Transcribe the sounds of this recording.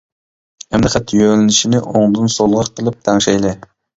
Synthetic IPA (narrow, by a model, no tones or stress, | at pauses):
ɛmlɨqʲæt̪ʰjølɪnɪʃinɪʔoŋd̪ɨnsolˠʁɑqʰːəlˠɨp̚t̪ʰæŋʃɛjlˠɪ